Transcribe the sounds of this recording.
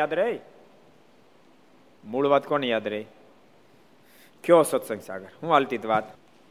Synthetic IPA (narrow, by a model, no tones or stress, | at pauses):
aːd̪ɾəi | muɭʋaːd̪konjad̪ɾəi | kjosɔt̪sɐ̃ŋɡsa̰ːɡəɾhũɐlt̪it̪ʋaːd̪